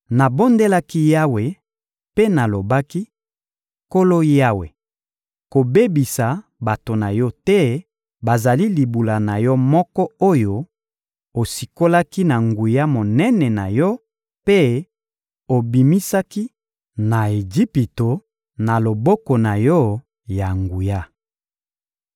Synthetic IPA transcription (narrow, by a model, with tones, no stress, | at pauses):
na˨bo˦nde˦la˦ki˦ja˦we˨ | pe˦na˨lo˨ba˦ki˦ | ko˦lo˦ja˦wḛ˨ | ko˨be˦bi˨sa˨ba˨to˨na˨jɔ˦tɛ˦ | ba˨za˨li˦li˨bu˨la˨na˨jɔ˦mɔ˦kɔ˦o˦jo˦ | o˨si˨ko˦la˦ki˦na˨ŋɡu˨ja˦mo˨nɛ˦nɛ˨na˨jɔ˦ | pe˦ | o˨bi˨mi˦sa˦ki˦ | na˨e˨d͡ʒi˦pi˨to˨ | na˨lo˨bɔ˦kɔ˨na˨jɔ˦ | ja˨ŋɡu˨ja˦